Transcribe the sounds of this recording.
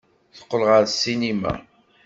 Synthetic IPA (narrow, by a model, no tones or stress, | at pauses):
θə̥qːəlʁəɾsinima̰